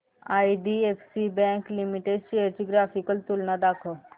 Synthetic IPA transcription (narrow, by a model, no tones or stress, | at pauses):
aːiɖiepsibɛ̃ːŋklimiʈeɖseəɾt͡ʃiɡɾaːpʰikəlt̪ulnad̪aːkʰə